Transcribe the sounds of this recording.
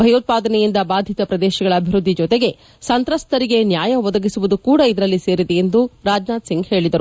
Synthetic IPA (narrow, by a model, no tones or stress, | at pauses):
bʱɐjoːt̪̚paːd̪ɐnɛjind̪ɐbaːd̪ʱit̪ɐpɾɐd̪ɛːʃɐɡɐɭɐːbʱiɾud̪ʱːid͡ʒɔt̪eɡe̞ | sɐnt̪ɾɐst̪ɐɾiɡe̞njaːjɐʋɔd̪ɐɡisuʋud̪ukuːɽɐid̪ɐɾɐlːise̞ːɾid̪e̞end̪uɾaːd͡ʒnaːd̪siŋɡhe̞ːɭid̪ɐɾu